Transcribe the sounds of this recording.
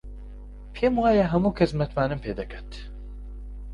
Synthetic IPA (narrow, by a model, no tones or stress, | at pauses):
pʰeːmaːjɛɦɛmuːkʰɛsmɛt̪maːnɨmpʰeːd̪ɛkʰɐt̪